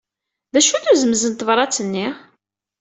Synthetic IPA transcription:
ðæʃuθuzəmzənt̪əvɾˤɑt͡sːənːi

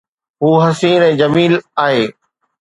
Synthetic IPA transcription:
ɦuːɦɐsiːnɛ̃ːd͡ʑɐmiːlaːɦeː

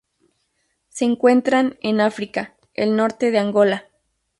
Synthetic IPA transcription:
se̞ːŋkwe̞nt̪ɾanenafɾika | ḛlno̞ɾt̪e̞ðeaŋɡo̞la

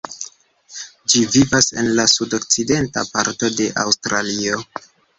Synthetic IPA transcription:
d͡ʒivivase̞̰nlasudo̞k̚t͡side̞nta̰paɾto̞de̞ʔa̰wstɾalio̞

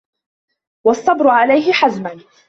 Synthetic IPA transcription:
wɑsˤːɑbɾʊʕalajɦɪħazman

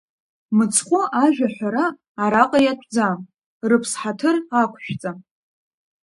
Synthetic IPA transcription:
mɨt͡sʰqʷʼʊʔaʒᶣaħʷᶣaɾaː | ɾaqʼajatʷʰʼd͡zam | rɨpʰsħatʰɨrakʷʰʃᶣt͡sʼam

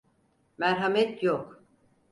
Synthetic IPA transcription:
mæɾɦamɛt̪ʰjok

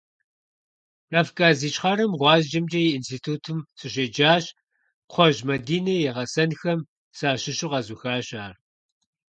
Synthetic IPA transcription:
rɐfkʼaːziːt͡ʃχɐɾɨmʁʷɑːzd͡ʒɐmd͡ʒɐjiinstʰiːtʰuːtʰɨmsɨɕeːd͡ʒaːɕ | qʷʰɔʒmɐdiːnɐjɛʁɐsɐnxɐm | saːɕɪʃɪqɐzuxaːɕaːr

